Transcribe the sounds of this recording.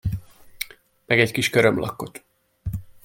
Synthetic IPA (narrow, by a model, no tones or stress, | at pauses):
mɛɡɛckiʃkøɾømlɒ̰kːo̞t̪